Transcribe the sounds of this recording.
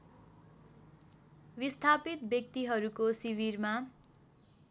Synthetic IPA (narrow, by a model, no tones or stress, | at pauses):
bist̪ʰapit̪̚bjʌk̚t̪iɦʌɾukosiβirma